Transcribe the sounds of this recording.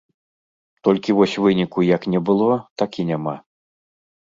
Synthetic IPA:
t̪ɔlʲkʲivɔsʲvɨnʲikujɐknʲɛbɨlˠɔt̪akʲinʲama

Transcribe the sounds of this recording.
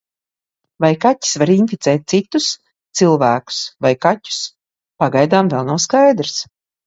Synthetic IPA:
vajkatʲi̥svaɾinfit̪sɛːt̪̚ʲt̪sit̪us | t̪silˠvæːku̥svajkatʲu̥s | paɡajd̪aːmvɛlˠnawskajd̪ɾs

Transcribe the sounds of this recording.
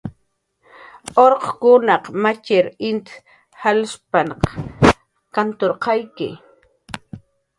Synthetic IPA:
oɾqkʊnɑqmat͡ʃɪɾɪnt̪ | halspanq | kant̪oɾqɑjkɪ̰

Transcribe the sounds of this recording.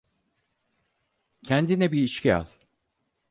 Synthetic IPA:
cʰænd̪inɛbiːʃcia̰lˠ

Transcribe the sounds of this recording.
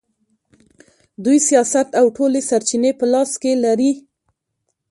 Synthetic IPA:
d̪ujsijɑsat̪awʈolesaɾt͡ʃinepəlɑskelaɾi

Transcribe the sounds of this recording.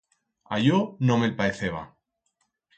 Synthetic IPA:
aʝonomelpaeθeβa̰

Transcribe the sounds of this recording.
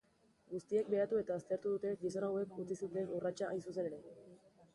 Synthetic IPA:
ɡust̪ie̞k̚be̞at̪ue̞t̪aːst̪e̞ɾt̪uðut̪e̞ɡiso̞nawe̞kut͡sisit̪e̞nurat͡ʃaʔa̰jnsuse̞ne̞ɾe̞

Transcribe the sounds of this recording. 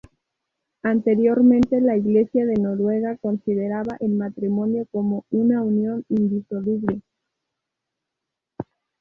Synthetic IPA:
ant̪e̞ɾjo̞ɾmẽ̞nt̪e̞laiɣle̞sjaðe̞no̞ɾwe̞ɣako̞nsiðe̞ɾaβaʔelmat̪ɾimõ̞njo̞ko̞mo̞unaunjo̞nind̪iso̞luβle̞

